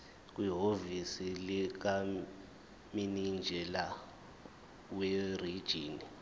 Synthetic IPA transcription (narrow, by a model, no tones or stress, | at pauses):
k̬ʼwiɦovisilik̬a | minind͡ʒʱɛla | werid̥ʒ̥ʱiːni